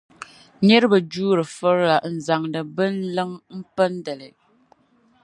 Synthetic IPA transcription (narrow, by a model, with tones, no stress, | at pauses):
ɲɛ˦ɾɨ˦bə˨d͡ʒuː˦ɾɨ˨fɔ˦ɾa˨n̩˨za˨ŋdə˨bɨ˦n˦lɨ˦ŋm̩˦pə˦n˦də˨lɛ˨